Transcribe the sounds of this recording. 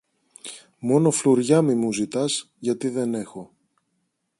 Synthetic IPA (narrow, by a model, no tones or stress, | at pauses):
mo̞no̞fluɾʝɐmimuzit̪ɐz | ʝɐt̪iðe̞ne̞xo̞